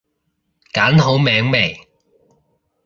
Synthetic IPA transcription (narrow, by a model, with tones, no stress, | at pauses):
kaː˨˥nɦo˨˥wmɛː˨˥ŋme˨˩j